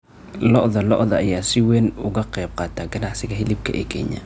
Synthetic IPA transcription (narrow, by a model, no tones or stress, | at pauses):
lɔʔðɐlɔ̰ʔðɐːjaːsɪwɛːnʊɣɐqɛjb̚qɑːt̪ʰaːɡɐnɑʕsɪɣɐɦɪlɪb̚kʰɐ̰ʔɛ̰ːkʰɛːɲɐ̰